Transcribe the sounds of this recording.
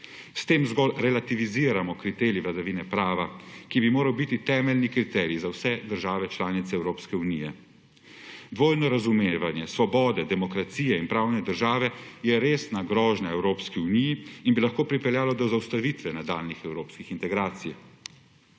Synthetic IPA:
st̪eːmzɡɔlɾɛlat̪iʋiziːɾamɔkɾit̪eɾjiʋlad̪aʋiːnɛpɾaːʋakibimoːɾawbit̪it̪ɛːmɛlnikɾit̪ɛːɾizawsɛd̪əɾʒaːʋɛt͡ʃlaːnit̪sɛɛwɾoːpskɛunijɛ | d̪ʋoːjnɔɾazumeʋanjɛsʋɔbɔːd̪ɛd̪ɛmɔkɾat̪siːjɛinpɾaːwnɛd̪əɾʒaːʋɛjɛɾeːsnaɡɾɔːʒnaɛwɾoːpskiunijiinbilaxkoːpɾipɛljaːlɔd̪ɔzawst̪aʋit̪ʋɛnad̪aːlnixɛwɾoːpskixint̪ɛɡɾaːt̪sij

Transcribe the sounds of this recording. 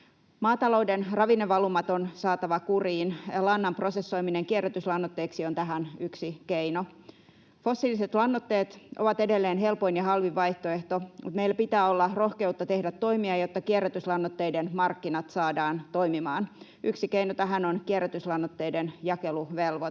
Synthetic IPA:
mɑːt̪ɑloudenrɑʋinːeʋɑlumːɑt̪onsɑːt̪ɑʋɑkuriːnjɑlɑnːɑmprosesːo̞jmineŋkierːæt̪yslɑnːot̪ːeːksiont̪æɦænyksikeino | fo̞sːiliset̪lɑnːot̪ːe̞ːt̪ʔoʋɑt̪e̞delːeːnɦe̞lpoinjɑhɑlʋiʋːɑjht̪oeht̪omʔṵt̪meilːæpit̪æːolːɑro̞hke̞ut̪ːɑt̪e̞hdæt̪ːo̞imiɑjot̪ːɑkieræt̪yslɑnːot̪ːeidenmɑrkːinɑt̪sɑːdɑːnt̪o̞jmimɑːn | yksikeinot̪æɦænonkierːˑæt̪yslɑnːot̪ːe̞jdenjɑkeluʋelʋo

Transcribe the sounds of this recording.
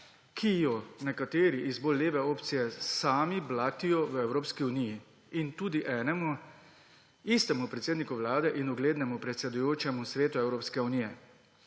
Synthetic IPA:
kʰijɔnɛkat̪eːɾiʔizboːlːeːʋɛoːpt̪sijɛsaːmiblaːt̪ijɔʋəɛwɾoːpskiuniji | int̪uːd̪iʔɛːnɛmu | ist̪ɛmupɾɛt̪seːd̪nikuʋlaːd̪ɛʔinuɡleːd̪nɛmupɾɛt̪sɛd̪ujoːt͡ʃɛmusɾeːt̪uɛwɾoːpskɛunijɛ

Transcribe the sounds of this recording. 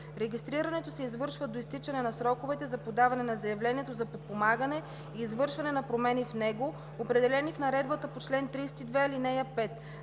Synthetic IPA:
ɾɛɡʲist̪ɾiɾɐnɛt̪osɛizvɤɾʃvəd̪oist̪it͡ʃɐnɛnɐsɾɔkovɛt̪ɛzɐpod̪avɐnɛnɐzɐjɐvlɛniɛt̪ozɐpot̪̚pomaɡənɛ | iːzvɤɾʃvɐnɛnɐpɾomɛnifnɛɡo | opɾɛd̪ɛlɛnifnɐɾɛd̪̚bət̪əpot͡ʃlɛnt̪ɾisɛ̥t̪id̪vɛlinɛjɐpɛt̪

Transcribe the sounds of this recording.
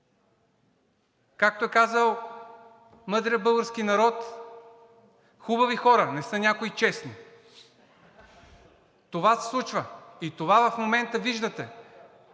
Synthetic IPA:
kak̚t̪oɛkazəlˠ | mɤd̪ɾəəbɤlˠɡəɾsk̟inɐɾɔt̪ | xubɐvixɔɾənɛsɤnʲakoit͡ʃɛsni | t̪ovasɛ̥slˠut͡ʃvəit̪ovavɐfmomɛnt̪əviʒd̪ət̪ɛ

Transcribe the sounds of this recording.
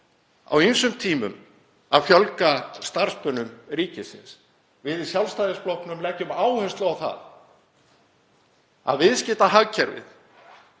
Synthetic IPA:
a̰wejnsʏmt̪ʰiːmʏm | aðfjœlkast̪aɾ̥spœnʏmɾiːcɪsɪ̰ns | vɪðɪsjawlst̪ajðɪsplohknʏmlɛhcʏmaːwhœnst̪lʏɣawθa̰ð | a̰ðvɪðscɪːt̪aɦaɣcʰɛɾvɪ̰ð

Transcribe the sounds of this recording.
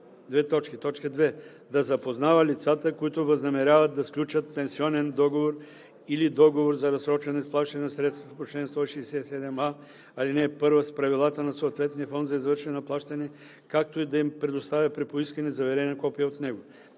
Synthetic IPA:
d̪vɛt̪ɔt͡ʃkit̪ɔt͡ʃkəd̪vɛ | d̪ɐzɐpoznavəlʲit̪sat̪əkoit̪ʊvɐznɐmɛɾʲavɐt̪̚d̪ɐsklʲut͡ʃət̪̚pɛ̃nsiɔnɛnd̪ɔɡovoɾ | ilid̪ɔɡovoɾzɐɾɐsɾɔt͡ʃɛnɛsplˠaʃt̪ɐnɛnsɾɛt̪st̪vɐfpot͡ʃlɛnst̪ɔiʃɛːsɛsɛd̪ɛma | ɐlinɛpɤɾvəspɾɐvilˠat̪ənɐsoːt̪vɛt̪niəfɔnd̪zɐizvəɾʃɛɛnɐplˠaʃt̪ɐnɛ | kak̚t̪oid̪ɐimpɾɛd̪ost̪avʲɐpɾipoiskɐnɛzɐvɛɾɛnɐkɔpijɐot̪nɛɡo

